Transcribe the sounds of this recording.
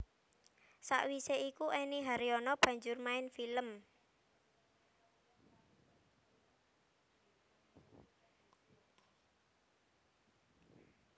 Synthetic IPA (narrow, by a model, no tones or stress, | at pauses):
sa̰ʔwiseikuʔɛniɦaɾiɔnɔb̥ä̤ɲd͡ʒʊrmaɪnfiləm